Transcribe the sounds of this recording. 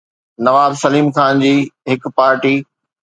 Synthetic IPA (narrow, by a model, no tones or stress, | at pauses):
nɐʋaːbsɐliːmkaːnd͡ʑiːɦɪkpaːɾʈiː